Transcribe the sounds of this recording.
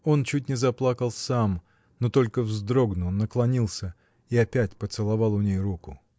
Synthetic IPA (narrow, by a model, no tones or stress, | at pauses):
o̞nt͡ɕʉt̚ʲnʲɪzɐplˠakəlˠsam | not̪o̞lʲkəvzd̪ɾo̞ɡnʊnːəklˠɐnʲilˠsʲə | iɐpʲæt̚ʲpət̪sɨlˠɐvɑlˠʊnʲejrukʊ